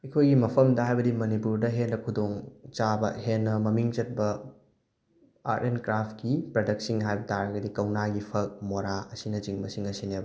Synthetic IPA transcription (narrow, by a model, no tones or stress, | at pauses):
ekʰojɡimɐpʰɐmdɐɦajbɐdimɐnipuɾdɐɦenɾɐkʰudoŋt͡ʃabɐhenːɐmɐmiŋt͡ʃɐt̚bɐ | a̰tenkɾap̚ʰkipɾɐdɐk̚siŋɦajbɐtʰaɾɐɡɐdikɐwnaɡipʰɐk̚moɾaɐsinɐt͡ʃiŋbɐsiŋɐsinebɐ